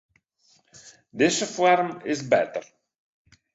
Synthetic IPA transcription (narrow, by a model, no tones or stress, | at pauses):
d̪ɪsəfwɛɾmɪsbɛt̪ər